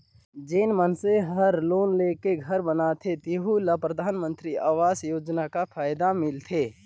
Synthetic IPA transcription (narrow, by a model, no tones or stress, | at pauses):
d͡ʒenmənseɦəɾloːnleːkeɡʱɐɾbənat̪ʰet̪iɦulapɾəd̪ʱaːnmə̃nt̪ɾiaːʋaːsjoːd͡ʒnakapʰaːjd̪amɪlt̪ʰeː